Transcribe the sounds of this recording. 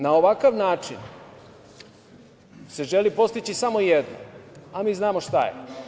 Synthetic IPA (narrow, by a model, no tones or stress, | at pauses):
nao̞ʋakaʋnaːt͡ʂḭn | se̞ʒelipo̞st̪it͡ɕisamo̞jed̪no̰amiːznaːmo̞ʃt̪a̰jḛ